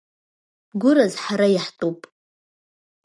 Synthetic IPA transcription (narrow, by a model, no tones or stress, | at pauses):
ɡʷʊɾazħaɾajaħtʰʼopʼ